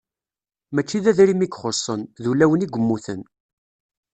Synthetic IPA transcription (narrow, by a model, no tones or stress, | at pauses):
mæt͡ʃːiðæðɾimikχosˤːənðulæwəniɡʷəmːuθən